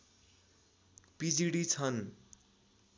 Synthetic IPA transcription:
pid͡ziɽit͡sʰʌn

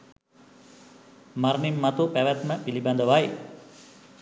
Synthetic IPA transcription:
maɾnimːat̪upæʋæt̪məpiliband̪əʋaj

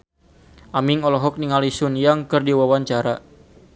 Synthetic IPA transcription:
ʔamɪŋɔlɔɦɔk̚niŋalisʊnjaŋkərdiwawaɲt͡ʃaɾa

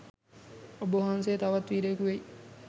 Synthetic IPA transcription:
oboɦans̬eːt̪ɐʋɐt̪ʋiːɾekuʋei

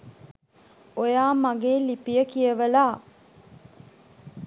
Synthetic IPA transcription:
ojaːmaɡeːlipijəkijəʋəlaː

